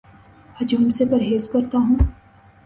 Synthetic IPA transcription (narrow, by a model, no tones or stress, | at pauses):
ɐd͡ʒʊmsepɐɾɦeːzkɐɾt̪aɦũː